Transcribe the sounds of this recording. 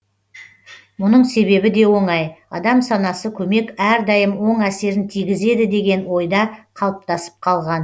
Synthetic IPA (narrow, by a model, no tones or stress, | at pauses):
mʊnəɴse̞βe̞bɪd̪e̞wo̞ɴɑjɑ̰d̪ɑmsɑnɑsəkʲʰɵme̞kæɾd̪ɑjəmwo̞ɴæse̞ɾɪnt̪ʰijɡʲɪze̞d̪ɪd̪e̞ɡʲe̞nwo̞jd̪ɑqʰɑlˠəp̚t̪ɑsə̥p̚qʰɑlˠʁɑn